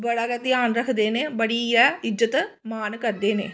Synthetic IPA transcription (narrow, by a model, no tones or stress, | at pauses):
bɐɭɐɡɐt̪ijaːnɾɐɦɨd̪eːnebɐɽiːjɐid͡ʒɐt̪ɨ | maːnɨkɐd̪ːeːnḛ